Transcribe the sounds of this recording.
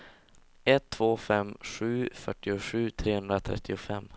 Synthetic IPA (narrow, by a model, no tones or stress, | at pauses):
ɛt̪ʰːv̥oːfɛmɧʉ̟ːfœʈːɪʊɧʉ̟ːt̪ʰɾeːhɵnd̪ɾat̪ʰɾɛ̰t̪ʰːɪʊfɛmː